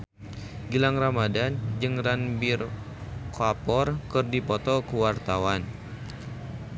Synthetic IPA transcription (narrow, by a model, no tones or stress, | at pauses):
ɡilaŋramadand͡ʒɨŋranbir | koapɔrkɨrdipɔt̪ɔkuwart̪awan